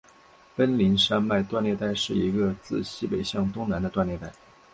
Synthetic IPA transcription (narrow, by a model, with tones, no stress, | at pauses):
pə˥nli˧˥nʂa˥nma˥˧ɪt̪wa˥˧nljɛ˥˧t̪a˥˧ɪʂɻ̩˥˩i˧˥ɡə˧t͡sɹ̩˥˩ɕi˥pe˨˩ɪɕjɑ˥˩ŋt̪ʊ˥ŋna˧˥nd̪ə˧t̪wa˥˧nljɛ˥˧t̪a˥˩ɪ